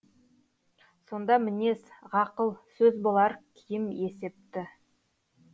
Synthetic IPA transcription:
so̞nd̪ɑmɪne̞sʁɑqəlˠsɵzbolˠɑɾkʲʰɪjɪme̞se̞p̚t̪ɪ

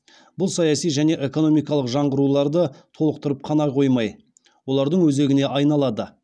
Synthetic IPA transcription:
bʊlˠsɑjɑsijʒæne̞ʔe̞ko̞no̞mijkɑlˠəqʒɑɴʁəɾulˠɑɾd̪ət̪ʰo̞lˠəq̚t̪əɾəp̚qʰɑnɑqʰo̞jmɑj | wo̞lˠɑɾd̪əɴwɵze̞ɡʲɪne̞ʔɑjnɑlˠɑd̪ə

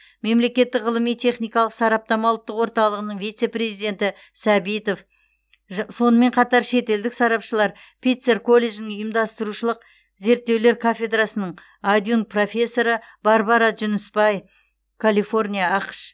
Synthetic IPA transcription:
me̞mle̞kʲe̞t̪ːɪkʁəlˠəmijt̪ʰe̞χnijkɑlˠəqsɑɾɑp̚t̪ɑmɑlˠət̪ːəqwo̞ɾt̪ɑlˠəʁənəɴvijt̪se̞prʲe̞zijd̪e̞nt̪ɪ | sɑbijt̪o̞f | so̞nəme̞ɴqʰɑt̪ɑɾʃe̞t̪e̞ld̪ɪksɑɾɑpʃəlˠɑɾ | pʲʰit̪seɾkʰo̞lʲːe̞ʒnɪŋʊjəmd̪ɑst̪əɾuʃəlˠəq̚ | ze̞ɾt̪ːe̞wle̞ɾkʰafʲe̞d̪rasənəɴ | ad̪junt̪̚pro̞fʲe̞sːo̞ɾəb̥ɑɾbɑɾɑʒʏnəsbɑj | kʰalifo̞rnʲijaɑqə̥ʃ

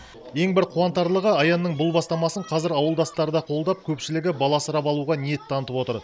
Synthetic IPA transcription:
e̞ŋbɪɾqʰuɑnt̪ɑɾlˠəʁəɑjɑnːəɴbʊlˠbɑst̪ɑmɑsəɴqʰɑzɪɾɑwəlˠd̪ɑst̪ɑɾəd̪ɑqʰo̞lˠd̪ɑp̚kʲʰɵpʃɪlɪɡʲɪbɑlˠɑsəɾɑpɑlˠuʁɑnje̞t̪ʰːɑnət̪əpo̞t̪əɾ

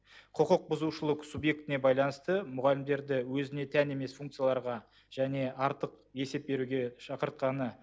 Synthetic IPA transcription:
qʰəqəq̚bʊzuʃəlˠəqsubje̞k̚t̪ɪne̞bɑjlˠɑnəst̪əmʊʁɑlɪmd̪e̞ɾd̪ɪwɵzɪne̞t̪ʰæne̞me̞sfuŋkt̪sɨjalˠɑɾʁɑ | ʒ̥æne̞ɑɾt̪əq | e̞se̞p̚be̞ɾuɡʲe̞ʃɑqəɾt̪̚qɑnə

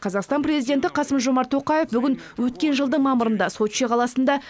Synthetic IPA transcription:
qʰɑzɑqst̪ɑnpɾʲe̞zijd̪ʲe̞nt̪ɪqʰɑsəmʒo̞mɑɾt̪ʰːo̞qɑje̞fbʏɡʲɪn | wɵt̪̚kʲe̞nʒəlˠd̪əɴmɑməɾənd̪ɑso̞t̪ʃeqʰɑlˠɑsənd̪ɑ

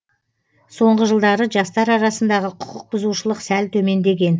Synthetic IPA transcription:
so̞ɴʁəʒəlˠd̪ɑɾəʒɑst̪ɑɾɑɾɑsənd̪ɑʁəqʰʊ̥qʰəq̚bʊzuʃəlˠəqsælt̪ʰɵme̞nd̪e̞ɡʲe̞n

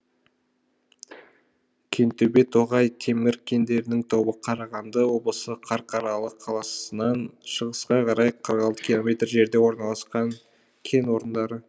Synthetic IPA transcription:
kʲʰe̞nt̪ebe̞t̪ʰo̞ʁɑjt̪ʰe̞mɪɾkʲʰe̞nd̪e̞ɾɪnɪŋt̪ʰo̞bəqʰɑɾɑʁɑnd̪əwo̞blˠəsəqʰɑɾqʰɑɾɑlˠəqʰːɑlˠɑsənɑnʃəʁəsqɑqʰɑɾɑjqʰəɾəqɑlˠt̪ə̥kʲilˠo̞mʲe̞t̪rʒe̞ɾd̪e̞wo̞ɾnɑlˠɑsqɑŋ | kʲʰe̞nwo̞ɾənd̪ɑɾə

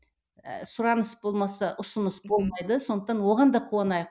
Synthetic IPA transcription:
sʊɾɑnəsbo̞lˠmɑsɑʔʊsənəsbo̞lˠmɑjd̪əsond̪əqt̪ɑnwo̞ʁɑnd̪ɑqʰuɑnɑjq

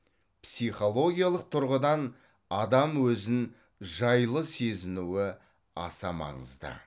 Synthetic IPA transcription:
psijχo̞lˠo̞ɡʲijalˠəq̚t̪ʰʊɾʁəd̪ɑn | ɑd̪ɑmwɵzɪn | ʒɑjlˠəse̞zɪnuwɪ | ɑ̰sɑmɑ̰ɴə̰zd̪ə̰

